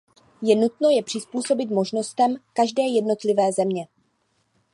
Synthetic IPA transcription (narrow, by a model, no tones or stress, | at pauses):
jɛnut̪no̞jɛpr̥ɪspuːso̞bɪt̪mo̞ʒno̞st̪ɛmkaʒdɛːjɛdno̞t̪lɪvɛːzɛmɲɛ